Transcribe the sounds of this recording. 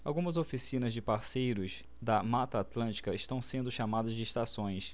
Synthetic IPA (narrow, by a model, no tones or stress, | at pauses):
awɡũmɐzofisĩnɐzd͡ʒɪpaɾsejɾʊz | d̪ɐmat̪ɐːt̪lɐ̃nt͡ʃi̥kɐɪʃt̪ɐ̃w̃sẽnd̪ʊʃamad̪ɐzd͡ʒɪːʃt̪asõj̃s